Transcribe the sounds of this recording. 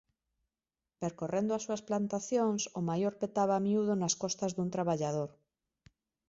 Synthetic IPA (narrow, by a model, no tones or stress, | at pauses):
peɾkorend̪ʊasuɐsplant̪aθjoŋsomajoɾpet̪aβamiuðonaskɔst̪azðunt̪ɾaβaʎaðoɾ